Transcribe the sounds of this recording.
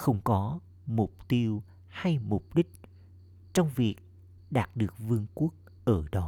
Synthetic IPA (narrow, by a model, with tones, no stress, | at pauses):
xə˧wŋ͡mkɔ˨˦ | mʊ˨˩k͡p̚t̪i˧əw | ha˧jmʊ˨˩k͡p̚ɗï˦˥k̟̚ | t͡ɕɔ˧wŋ͡mvi˨˩ək̚ | ɗaː˨˩t̚ɗɨ˨˩ək̚vɨ˧əŋku˦˥ək̚ | ʔəː˧˩ɗɔ˨˦